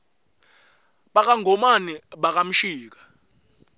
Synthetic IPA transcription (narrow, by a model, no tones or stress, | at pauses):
ɓak̬ʼaŋʱɔmaniɓak̬ʼam̩ʃiːk̬ḁ